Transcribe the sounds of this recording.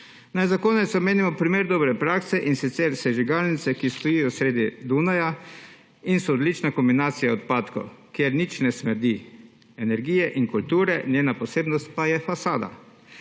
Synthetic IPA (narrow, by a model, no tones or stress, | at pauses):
najzakoːnɛt̪sɔmeːnimɔpɾimeːɾd̪ɔːbɾɛpɾaːksɛʔinsit̪sɛɾsɛʒiɡalnit̪sɛkist̪ɔjijɔsɾeːd̪id̪unaja | insɔːd̪lit͡ʃnakɔmbinaːt̪sijaɔt̪paːt̪kɔ̰kjeɾnit͡ʃnɛsmɛɾd̪i | ɛnɛɾɡiːjɛʔiŋkult̪uːɾɛnjeːnapɔseːbnɔst̪̚pajɛfasaːd̪a̰